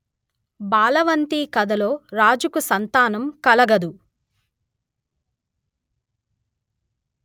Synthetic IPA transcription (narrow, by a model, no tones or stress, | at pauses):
baːlɐʋɐnt̪iːkɐd̪ɐlo̞ːɾaːd͡ʒukusɐnt̪aːnɐmkɐlɐɡɐd̪u